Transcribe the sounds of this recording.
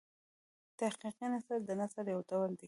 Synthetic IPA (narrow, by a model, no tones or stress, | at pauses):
t̪ahqiqanasaɾd̪ənasaɾjawt̪awəld̪e